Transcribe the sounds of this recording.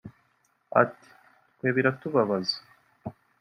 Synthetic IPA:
a̰ti̥ | tkweːβiɾatuβaβazḁ

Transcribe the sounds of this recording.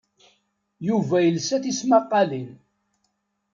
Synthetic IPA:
juvæjəlsæθismɑqːɑlin

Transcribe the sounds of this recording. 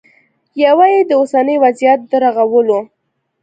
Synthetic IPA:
jawajed̪əosanəjwazijat̪̚d̪əɾaɣawəlo

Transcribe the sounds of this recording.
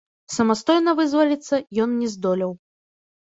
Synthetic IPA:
sɐmast̪ɔjnɐvɨzvɐlʲit̪sːɐjɔnnʲɛzd̪ɔlʲɐw

